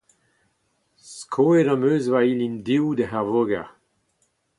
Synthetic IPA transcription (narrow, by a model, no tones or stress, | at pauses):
skʰoːedɑ̃møːzvailindiwdəɦɛʁvoɡaʁ